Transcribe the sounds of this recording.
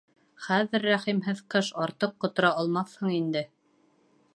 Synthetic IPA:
χæðɘɾːæχimɦɘðqɤʃɑɾt̪ɤqːŏt̪ŏɾɑɑlˠmɑθhɤɴind̪ɘ

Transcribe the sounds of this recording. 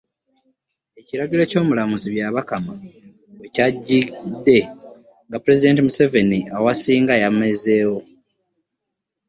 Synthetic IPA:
e̞ciɾaɡilo̞co̞ːmulamusiβjaβakama | wecaɟːidːe̞ | ŋɡapuɾe̞zide̞ːntimuse̞ve̞niawasiːŋɡajame̞ze̞ːwo̞

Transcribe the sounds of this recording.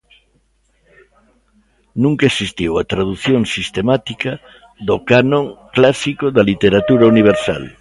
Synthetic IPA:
nũŋkaesist̪iwat̪ɾaðuθjõŋsist̪emat̪ikɐ | ðokanõŋklasikoðɐlit̪eɾat̪uɾauniβ̞eɾsa̰l

